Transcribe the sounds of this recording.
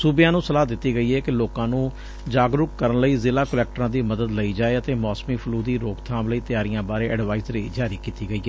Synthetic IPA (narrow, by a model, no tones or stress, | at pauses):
sʊbjãːnũːsəlaːd̪ɪt̪ːiːɡəiːɦɛːkɪloːkãːnũː | d͡ʒaːɡɾʊkkːəɾənləiːzɪlaːkəlɛːk̚ʈəɾãːd̪iːməd̪əd̪ləiːd͡ʒaːeːət̪eːmɔːsmiːpʰʊluːd̪iːɾoːkt̪ʰãːmləiːt̪ɪjaːɾijãːbaːɾeːʔəɖʋaːɪzɾeid͡ʒaːɾiːkiːt̪iːɡəiːɦɛː